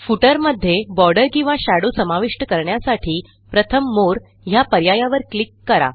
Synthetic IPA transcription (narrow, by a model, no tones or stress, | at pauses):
fuʈəɾməd̪ʱːjebɔɾɖəɾkĩw̃ʋãɕaɽusəmaʋiʂʈəkəɾɳjasaʈʰiː | pɾət̪ʰəmːoɾ | ɦjapəɾjajaʋəɾklikːəɾa̰